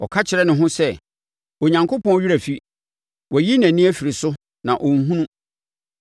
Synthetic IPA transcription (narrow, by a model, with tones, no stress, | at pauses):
ɔ̰˨kʰa˦t͡ɕʰɪ˨ɾɛ˦nɪ̃˨ɦʊ̃˦sɛ˦ | o˨ɲã˨ŋkʰo˦pɔ̃˦n˦ɥi˦ɾæ˨fi˨˦ | wɔ˨ji˦næ̃˨nĩ˦æ˦fi˨ɾi˨sʊ˦ | nã˨ʔɔ˨ŋ̩˦ɦũ˦nũ˦